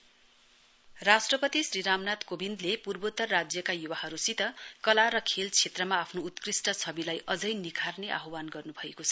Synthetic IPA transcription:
rasʈrʌpʌt̪isriɾamnat̪kobind̪lepurbot̪ːʌrːad͡zjʌkajuwaɦʌɾusit̪ʌkʌlaɾʌkʰelt͡sʰet̪rʌmaːpʰnoːt̪krisʈʌt͡sʰʌbilajʔʌd͡zʌjnikʰarneʔa̰ɦowanɡʌrnubʱʌekot͡sʰʌ̥

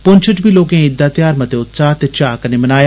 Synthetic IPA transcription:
pʊ̃ɲt͡ʃʰəʈbʱiːloːkẽːɪd̪ːaːt̪jaːɾmət̪eːʊt̪saːt̪et͡ʃaːkəneːmənaːja

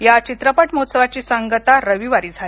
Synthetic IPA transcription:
jat͡ɕit̪ɾəpəʈmot̪səʋat͡ɕiːsəŋɡət̪aɾəʋiʋaɾiːd͡zʱale

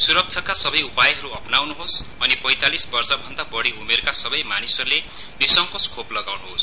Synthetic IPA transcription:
suɾʌk̚t͡sʰʌkasʌbʌjupajɦʌɾuʌpnawnuɦosʌnipʌjt̪alisbʌrsʌbʱʌnd̪abʌɽiumerkasʌbʌjmanisʌrule | nisʌŋkoskʰoplʌɡawnuɦos

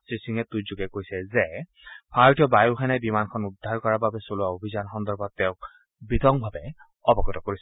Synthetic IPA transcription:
sisiŋɛtuzuɡɛkoɹisɛzɛ | pʰaɹtiɔbajuxʰanɛbimankʰɔnudʱːaɹkɔɹababɛsoluaobʱizanxɔndɔɹbɔt̚ːɛʊ̃k̚ | bitɔŋbʱabɛ | ɔbɔkɔtɔkoɹisɛ

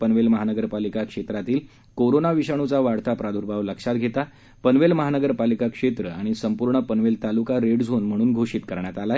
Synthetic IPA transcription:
pənʋelməɦanəɡəɾpalikakʂet̪ɾat̪iːl | koɾonaʋiɕaɽ̃ut͡saʋaɽt̪apɾad̪ʱuɾbʱaʋləkʂat̪̚ɡʱet̪a | pənʋelməɦanəɡəɾpalikakʂet̪ɾəaɽ̃isəmpuɾɳəpənʋelt̪alukaɾeɽd͡zʱonm̤əɽ̃uːnɡʱoɕiːt̪kəɾɳjat̪ala

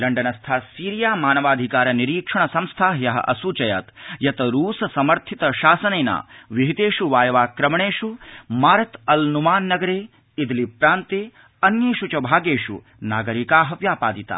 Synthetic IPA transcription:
lɐɳɖɐnɐst̪ʰaːsiːɾijaːmaːnɐʋaːd̪ʱikaːɾɐniɾiːkʂɐɳ̃ɐsɐmst̪ʰaːɦjɐɦɐ̰ʔɐsut͡ʃɐja̰ːt̪jɐt̪ɐɾuːsɐsɐmɐɾt̪ʰit̪ɐʃaːsɐnɐjna̰ːʋiɦit̪eːʂuʋaːjɐʋaːkɾɐmɳeːʂumaːɾɐt̪ɐlnumaːnːɐɡɐɾeː | id̪lipɾaːnt̪eː | ɐnjeːʃut͡ʃɐbʱaːɡeːʂṵ | naːɡɐɾikaːɦɐʋjaːpaːd̪it̪a̰ː

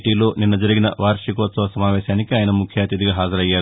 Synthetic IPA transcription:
ʈiːloːninːɐd͡ʒɐɾiɡinɐʋaːɾʂikoːsɐʋɐsɐmaːʋɛːʃaːnikiaːjɐnɐmukʰjaːt̪id̪iɡaːɦaːd͡ʒɐɾɐjːaːɾu

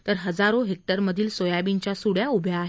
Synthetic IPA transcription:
t̪əɾɦəd͡zaɾoɦek̚ʈəɾməd̪ʱiːlsojaʋiɲt͡ɕjasuɽjaubʱjaːɦ

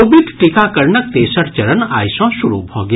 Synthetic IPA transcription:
obɪʈʈɪkakɐɾnək̚t̪eːsəɾt͡ʃɐɾəna̰ːjsõːʃʊɾṵbʱoːɡ

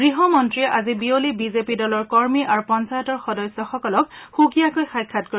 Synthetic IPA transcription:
ɡɹiɦɔmɔntɹiɛʔazibiolibizepidɔlɔɹkɔɹmiʔaɹupɔnsajɔtɔɹxɔdɔjsɔxɔkɔlɔk̚xuɡijakojxajkʰːatko

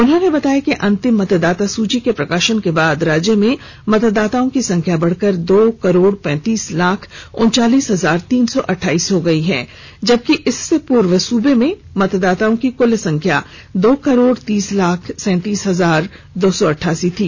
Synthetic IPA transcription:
ʊnɦõnebɐt̪aːjakeʔɐ̃nt̪ɪmːɐt̪d̪aːt̪asuːt͡ʃikepɾɐkaːʃənkebaːd̪ɾaːd͡ʒjəmẽ | mɐt̪d̪ːaːt̪aːõkisɐ̃ŋkʰjabɐɽ̤kəɾd̪oːkɐɾoːɽpɛ̃ːt̪iːslaːkʰʊ̰̃nt͡ʃaːliːsɦɐzaːɾt̪iːnsɔʔɐʈʰːaːiːsɦoɡɐiɦɛ̰̃ː | d͡ʒɐb̚kiʔɪsːepuːɾʋəsuːbemẽ | mɐt̪d̪aːt̪aːõkikʊlsɐ̃ŋkʰja | d̪oːkɐɾoːɽt̪iːslaːkʰsɛ̃ːt̪iːsɦɐzaːɾ | d̪oːsɔɐʈʰːaːsit̪ʰiː

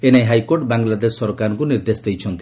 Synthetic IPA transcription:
enajɦajkoɾʈbaŋlad̪esːɔɾɔkaɾɔŋkuniɾd̪esd̪ejt͡ʃʰɔnt̪i

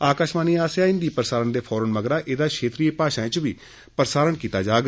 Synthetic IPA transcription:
aːkaːʃmaːniːaːsjaːɪ̃nd̪iːpɾəsaːɾənd̪eːpʰɔːɾənməɡɾaːʔɪd̪aːkʰeːt̪ɾiːeːpaːʃaːẽt͡ʃʋiː | pɾəsaːɾənkiːt̪aːd͡ʒaːɡ

